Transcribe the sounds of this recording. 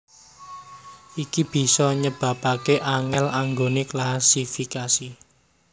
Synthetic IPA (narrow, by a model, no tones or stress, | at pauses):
ikib̥i̤sɔɲəb̥ä̤pakeʔaŋɛlaŋɡoneklasifikasi